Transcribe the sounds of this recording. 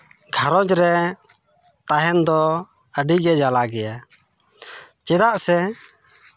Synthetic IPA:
ɡʱaɾɔd͡ʒɾɛ | t̪aɦɛnd̪ɔ | əɖiɡɛd͡ʒalaɡɛja | t͡ʃɛd̪aʔsɛ

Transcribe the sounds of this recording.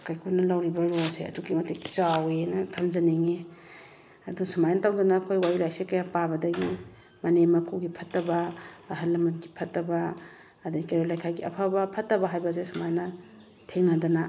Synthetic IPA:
kajkʰunɐlawɾibɐɾosḛɐ̰tuɡimɐteki̥zawenɐtʰamd͡ʒaneŋe | ɐdusamajnɐtawdanaːkʰojwajulajsekɐjapabɐdɐɡi | mɐnemɐkʰuɡipʰɐtːɐbɐːɦalːɐmanɡi̥pʰɐtːɐbaː | daikajolajkʰajɡiɐ̰pʰabɐpʰɐtːɐbɐɦajbɐs̬esamajnɐ | tʰeŋnadana

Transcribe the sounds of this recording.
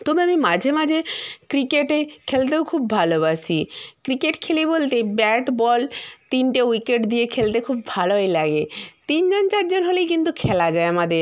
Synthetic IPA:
t̪omeamimad͡ʑʱemad͡ʑʱekɾikeʈekʰelt̪̬ewkʰubbʱalobasikɾikeʈkʰelibolt̪ebɛʈbɔlt̪inʈewikeʈd̪iekʰelt̪ekʰubːʱaloɦejlaɡet̪ind͡ʑont͡ɕaɾd͡ʑonɦolejkint̪ukʰelad͡ʑaeamad̪eɾ

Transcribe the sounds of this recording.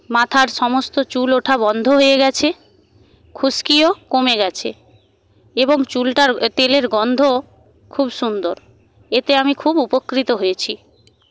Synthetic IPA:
mat̪ʰaɾʃɔmost̪ot͡ɕuloʈʰabɔnd̪ʱoɦoeɡɛt͡ɕʰe | kʰuskiokomeɡɛt͡ɕʰḛ | eboŋt͡ɕulʈaɾt̪eleɾɡɔnd̪ʱo | kʰubʃund̪oɾ | et̪eamikʰubupokːɾit̪oɦojet͡ɕʰi

